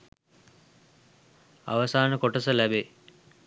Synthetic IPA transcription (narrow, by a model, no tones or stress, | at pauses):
a̰ʋəsaːnəkoʈəsəlæbe